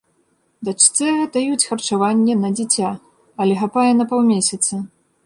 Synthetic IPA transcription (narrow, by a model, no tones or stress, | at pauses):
d̪at͡ʂt̪sɛɣɛd̪ɐjut͡sʲxɐrt͡ʂavanʲːɛnɐd͡zʲit͡sʲa | ɐlʲɛxapajɛnɐpawmʲesʲɐt̪sɐ